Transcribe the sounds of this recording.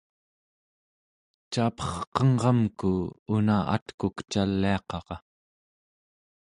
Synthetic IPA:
t͡ʃaːpʌ̥χqʌŋʁɑmkuunaa̰t̪kukt͡ʃalːiɑqɑʁɑ

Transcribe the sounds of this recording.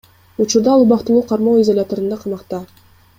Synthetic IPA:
ut͡ʃuɾd̪ɑlˠubɑqt̪ɯlˠuːqʰɑɾmowizolʲat̪oɾɯnd̪ɑqʰɑmɑqt̪ɑ

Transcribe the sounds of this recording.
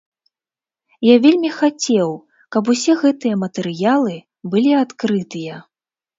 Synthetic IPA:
javʲelʲmʲixat͡sʲɛw | kɐp̬usʲɛɣɛt̪ɨjɐmɐt̪ɛɾɨjalˠɨ | bɨlʲiat̪kɾɨt̪ɨjɐ

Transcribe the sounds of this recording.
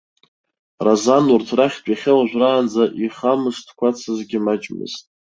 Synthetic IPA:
razanʊrtʰraχʲtʷʼiχʲɪlaʒʷᶣraːnd͡zaʔiχamɨʂtʰkʷʰat͡sʰazɡʲɪmad͡ʒʼmɨ̰ztʼ

